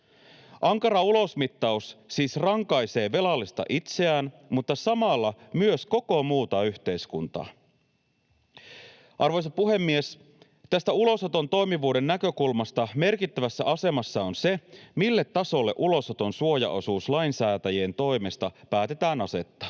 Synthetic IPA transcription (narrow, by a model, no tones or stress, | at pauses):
ʔɑŋkɑɾɑulo̞smit̪ːɑusːiːsrɑŋkɑjse̞ːʋe̞lɑlːist̪ɑ̰ʔit̪se̞æːnmut̪ːɑsɑmɑlːɑmyøsko̞ko̞muːt̪ɑyçt̪e̞jskunt̪ɑ̰ː | ʔɑrʋo̞jsɑpuɦe̞mːies | t̪æst̪æulo̞sot̪o̞nt̪o̞jmiʋuːde̞nːækø̞kulmɑst̪ɑme̞rkit̪ːæʋæsːæʔɑse̞mɑsːɑo̞nse̞milːe̞t̪ːɑso̞lːe̞̰ʔulo̞sot̪o̞nsuo̞jɑ̰ʔo̞suːslɑjnsæːt̪æjeːnt̪o̞jme̞st̪ɑpæːt̪e̞t̪æːnɑse̞t̪ːɑ̥ː